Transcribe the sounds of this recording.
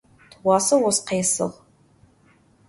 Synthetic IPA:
twɑːsɐwɔsqeːsɨ̰ʁ

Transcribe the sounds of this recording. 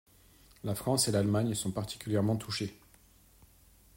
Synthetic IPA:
lafχɑ̃selalmaɲsɔ̃paʁt̪i̥kʲyljɛʁmɑ̃t̪ʰuʃe

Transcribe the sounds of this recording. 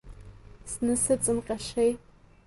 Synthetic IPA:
snɨsɨt͡sʼɨmqʲʼaʃej

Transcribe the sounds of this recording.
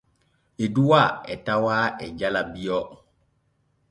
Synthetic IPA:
eduwaɛtawaːɛd͡ʒalabijɔ

